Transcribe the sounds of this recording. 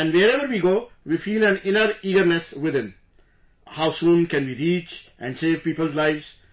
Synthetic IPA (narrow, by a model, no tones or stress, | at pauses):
ɛ̃nɖʋeɾɛʋəɾʋiːɡoːʋifiːlæ̃nɪnəɾiːɡəɾnesʋɪd̪ɪ̃n | haʊsũːnkɛ̃nʋiːɾiːt͡ʃʔɛ̃ɳɖseːʋpiːpəlzlaɪʋz̥